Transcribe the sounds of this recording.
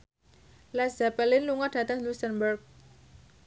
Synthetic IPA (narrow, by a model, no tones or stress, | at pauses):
laszapɛlɪnluŋɔɖ̥ä̤t̪aŋlusənbərk̚